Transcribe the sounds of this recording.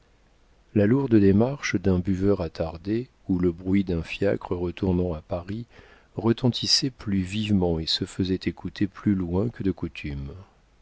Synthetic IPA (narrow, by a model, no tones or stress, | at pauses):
laluʁd̪əd̪emaʁʃd̪ɛ̃byvœʁat̪ʰaʁd̪e | uləbʁɥid̪ɛ̃fja̰kχəʁət̪ʰuʁnɑ̃apaʁi | ʁət̪ɑ̃t̪ʰisɛplyvivmɑ̃esəfəzɛt̪ekut̪ʰeplylwɛ̃kəd̪əkut̪ʰym